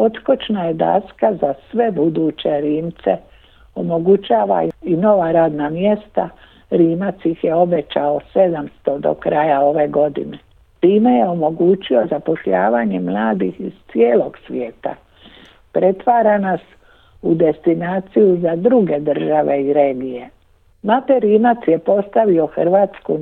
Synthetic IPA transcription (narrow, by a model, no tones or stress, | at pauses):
o̞t̪kot͡ʃnajed̪a̰skazasʋe̞bud̪uːt͡ɕe̞ɾiːmt̪sḛ | o̞mo̞ɡut͡ʃaːʋa̰ino̞ʋaɾaːd̪namje̞st̪a | ɾiːmat̪sixjeo̞be̞t͡ʃaose̞d̪amst̪od̪o̰kɾajao̞ʋe̞ɡo̞d̪ḭne | t̪iːme̞jeo̞mo̞ɡuːt͡ɕio̞zapo̞ʃʎaːʋaɲe̞mlaːd̪ixiz̥t̪sieːlo̞ɡ̥sʋjeːt̪a̰ | pɾe̞t̪ʋaːɾanas | ud̪e̞st̪inaːt̪sijuzad̪ɾuɡe̞d̪r̩ʒaʋe̞iɾeːɡije̞ | mat̪eɾiːmat̪sje̞po̞st̪aʋio̞xr̩ʋaːt̪sku